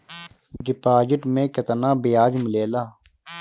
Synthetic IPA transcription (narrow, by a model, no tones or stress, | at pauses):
ɖɪpaːd͡ʒɪʈmẽːkət̪naːbɪjaːd͡ʒmɪleːlaː